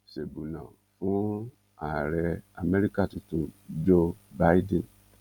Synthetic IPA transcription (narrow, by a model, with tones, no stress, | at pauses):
se˨bu˨na˨ | fu˦ | a˨ɾɛ˧a˨me˦ɾi˦ka˦˨tu˨tu˨d͡ʒo˦ba˦ji˦dĩ˦˨n